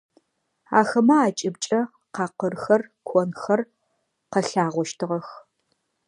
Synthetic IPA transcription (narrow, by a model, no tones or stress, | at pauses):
a̰ːxɐmɐaːt͡ʃʼɪbt͡ʃʼɐ | qɑːqərxɐrkʷʰɔnxɐr | qɐɬaːʁʷɔʃtʰɨʁɐx